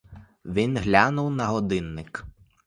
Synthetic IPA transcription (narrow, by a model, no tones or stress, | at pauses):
ʋʲinɦlʲanʊwnɐɦɔd̪ɪnːɪk